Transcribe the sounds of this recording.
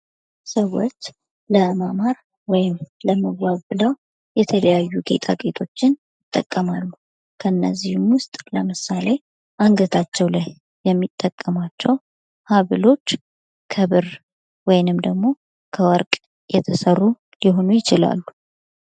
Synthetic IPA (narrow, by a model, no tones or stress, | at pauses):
səwːo̞t͡ʃː | ləmamaɾ | wɔjɪmləməwaβbɨləw | jɛt̪ʰələjajːuɡe̞̰t̪ʰʼakʼet̪ʰo̞t͡ʃːɪnjɪt̪ʼːə̰kʼːəmalːu | kʰəɨnːəzːihumwʊst̪ʼləmɨsale̞ | ʔaŋɡət̪ʰat͡ʃːɛwlajː | ɛmːit̪ʼːəkʼːəmat͡ʃːɛw | haβɨlo̞t͡ʃː | kʰəβɨɾ | wɔjɪnɨmd̪əɡmo̞ | kʰəwɔɾkʼ | jɛt̪ʰəsərːu | jɪɦo̞nujɪt͡ʃɪla̰lːu